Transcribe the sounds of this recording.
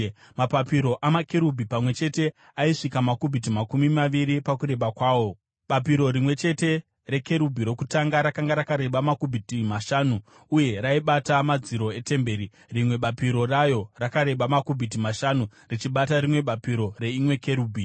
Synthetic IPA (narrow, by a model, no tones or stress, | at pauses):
mapapiɾo̞ʔamake̞ɾubʱipamwe̞t͡ʃe̞te̞ | aiʂikamakubʱit̬imakumimaʋiɾipakuɾe̞ɓakwaːwo̞ | ɓapiɾo̞ɾimwe̞t͡ʃe̞te̞ | re̞ke̞ɾubʱiɾo̞kutaŋɡaɾakaŋɡaɾakaɾe̞ɓamakubʱitimaʃaːnuː | je̞ɾaiɓatamad͡ziɾo̞e̞te̞mbe̞ːɾi | rimwe̞ɓapiɾo̞rajo̞rakaɾe̞ɓamakubʱit̬imaʃanurit͡ʃiɓataɾimwe̞ɓapiɾo̞re̞imwe̞ke̞ɾuːbʱi